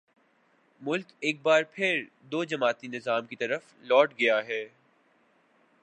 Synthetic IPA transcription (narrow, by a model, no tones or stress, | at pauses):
mʊlkeːk̚baːɾpʰɪɾ | d̪oːd͡ʒɐmaːt̪inɪzaːmkit̪ɐɾəf | lɔːʈɡɐjaɦɛː